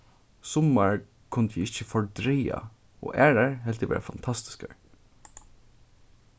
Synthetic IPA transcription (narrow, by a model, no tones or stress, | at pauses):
sʊmaɹ | kʰʊnt̪jɪɪçəfɔɹd̪ɾɛja̰ | ɔ̰ːʔæːɹaɹɦɛlt̪ɪʋɛ̰ːɾafant̪ʰast̪ɪ̥ska̰ɹ